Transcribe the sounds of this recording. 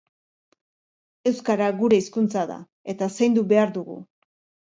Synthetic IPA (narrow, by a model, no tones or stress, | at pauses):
e̞wskaɾaɣuɾe̞iskunt͡saða̰ | e̞t̪asejnd̪ube̞aɾðuɣṵ